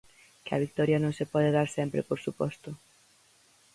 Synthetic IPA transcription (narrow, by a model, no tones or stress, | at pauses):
kɪɐ̰βik̚t̪ɔɾjɐnõŋsepɔðeðaɾsɛmpɾḛpoɾsupɔst̪ʊ